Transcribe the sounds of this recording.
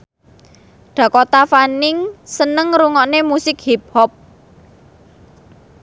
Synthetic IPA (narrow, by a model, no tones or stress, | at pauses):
ɖ̥a̤kɔt̪afanɪŋsənəŋɾuŋɔʔnemusɪkhip̚hɔp̚